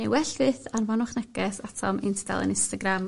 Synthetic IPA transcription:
newɛɬvɨːθanvanʊχnɛɡɛsatʰɔmɪntʰda̰lˠə̰nɪnstaɡram

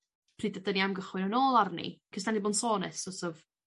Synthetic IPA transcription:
pʰriːdədəniamɡəχwɨnɔnoːlˠarnḭkʰəsd̥aniboːnsoːnɨsɔsɔv

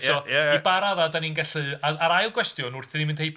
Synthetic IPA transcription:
ɔaibaɾaðadaninɡɛɬɨaaɾajlˠɡwɛstjɔnʊrθðimɪnd̥hejp

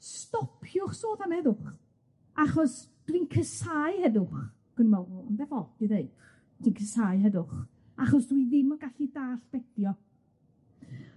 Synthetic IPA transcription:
stɔpʰjʊχsoːθamɛðʊχ | aχɔs | d̥winkʰəsajhɛðʊχ | ɡ̥ənəmɔɔndɛvɔd̥iðeɨd̥ | tiːnkʰəsajɦɛðʊχ | aχɔsd̥wiðɪmɔɡaɬidaːɬb̥ɛdjɔ

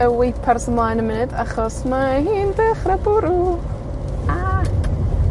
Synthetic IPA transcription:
əwejpʰarsəmlˠajnəmɪnɨdaχɔsmahiːndɛχrabʊɾu | a

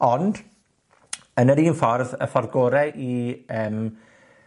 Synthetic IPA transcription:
ɔnd̥ | ənəɾiːnfɔrðə̰fɔrɡoːɾɛʔiəːm

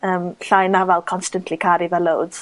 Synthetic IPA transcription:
əːmɬajnavalˠkʰɔnstəntʰlikʰaɾiðəlowdz̥

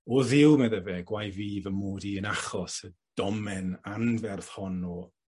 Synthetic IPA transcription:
ɔðɪwˠmɛðɛvɛɡ̥wajviːðəmoːdiənaχɔsəd̥ɔmɛnanvɛrθhɔnɔː

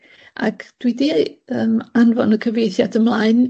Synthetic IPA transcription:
ʔa̰kʰd̥widiəmanvɔnəkʰəvejθjadəmlˠaːɨn

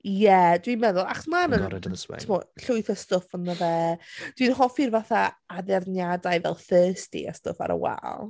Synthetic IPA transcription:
jɛdwinmɛðʊlˠa̰χɔsmanən̰ʰmɔɬʊɨθastʊfənəvɛd̥winɔχɔfirvaθaaðɛrnjadajvɛ̰lˠθəːstḭa̰stʊ̰fa̰ɾə̰wɛ̰lˠ

